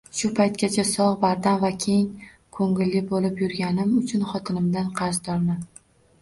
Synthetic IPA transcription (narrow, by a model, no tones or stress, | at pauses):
ʃʊpʰajt̪̚kʲat͡ʃʰasɒʁbaɾd̪anvakʲʰe̞ŋ | kʰoŋɪlːɪbolɪpjʊɾɡʲanɪmʊt͡ʃʰʊnχɒt̪ʰɪnɪmd̪anqʰɑɾzd̪ɒɾma